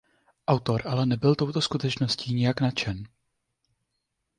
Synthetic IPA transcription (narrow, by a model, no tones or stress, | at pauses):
ʔawt̪o̞ɾʔalɛnɛbɪlt̪o̞wt̪o̞skut̪ɛt͡ʃnosciːɲɛjaknat͡ʃɛn